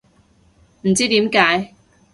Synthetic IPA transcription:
m̩˨˩t͡siː˥t̪iː˨˥mkaː˨˥j

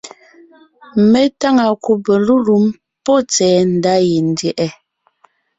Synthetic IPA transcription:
me˦ta˦ŋa˨ku˨bə˨lu˦lu˨˦m | pɔ˦t͡sɛː˨˦n̩˨da˦je˨n̩˨djɛ˨ʔɛ˦

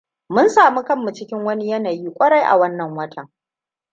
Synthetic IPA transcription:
mʊ˦nsaː˨mu˦kɐ˦mːu˨t͡ʃɪ˦kʲɪ˦ŋwɐ˦ni˦jɐ˦naː˨jiː˦kʷʼɐ˦ɽa˦jʔa̰˨wɐ˦nːɐ˨ŋwɐ˦tʰɐ˨ŋ

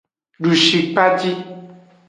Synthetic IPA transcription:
ɖu˨ʃi˨k͡pa˦t̪i˦

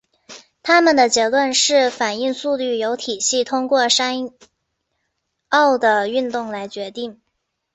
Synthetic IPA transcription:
t̪ʰa˥mə˨˩nd̪ə˩t͡ɕjɥɛ˧˥lwə˥˧nʂɻ̩˥˩fa˨˩ni˥˧ŋsu˥˧ly˥˩jo˧˥ʊt̪ʰi˨˩ɕi˥˩t̪ʰʊ˥ŋkwɔ˥˩ʂa˥n | ɑ˥˩ʊd̪ə˩y˥˧nt̪ʊ˥˩ŋla˧˥ɪt͡ɕɥɛ˧˥t̪i˥˩ŋ

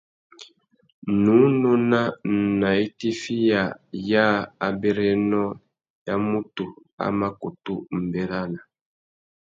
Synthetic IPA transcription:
nu˨˦no˦na˦˨na˨i˦ti˦fi˦ja˨ja˦a˨bɛ˦ɾɛ˦nɔ˦ | ja˦mu˦tu˨ | a̰˦ma˦ku˨tu˦m̩˨bɛ˨ɾa˦na˨

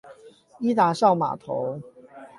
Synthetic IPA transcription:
i˥˦t̪a˨˩ʂɑ˥˩ʊma̰˨˩t̪ʰo˨˦ʊ

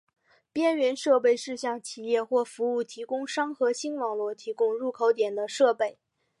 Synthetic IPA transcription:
pjɛ˥nɥɛ˧˥nʂɤ˥˧pe˥˧ɪʂɻ̩˥˧ɕjɑ˥˩ŋt͡ɕʰi˨˩jɛ˥˧xwɔ˥˩fu˧˥u˥˩t̪ʰi˧˥kʊ˥ŋʂɑ˥ŋxɤ˧˥ɕi˥nwɑ˨˩ŋlwɔ˥˩t̪ʰi˧˥kʊ˥ŋɻu˥˩kʰo˧˥ʊt̪jɛ˨˩nd̪ə˦ʂɤ˥˧pe˥˩ɪ

